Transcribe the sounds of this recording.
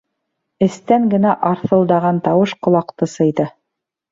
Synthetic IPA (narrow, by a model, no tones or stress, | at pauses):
ɘ̆st̪æŋɡɘ̆næʔɑɾθɤ̆lˠd̪ɑʁɑnt̪ɑwɤʃqŏlˠɑqt̪ɤsɤ̆jd̪ɤ